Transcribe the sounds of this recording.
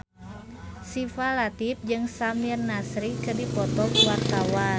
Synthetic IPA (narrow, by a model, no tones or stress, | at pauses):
sifalat̪ip̚d͡ʒɨŋsamirnasɾikɨrdipɔt̪ɔkwart̪awa